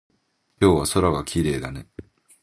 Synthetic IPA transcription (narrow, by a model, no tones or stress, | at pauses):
kʲo̞ːβaso̞ɾaɡakʲiɾe̞ːd̪ane̞